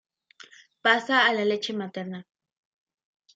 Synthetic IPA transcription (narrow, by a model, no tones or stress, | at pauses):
pasaːlalet͡ʃemat̪eɾna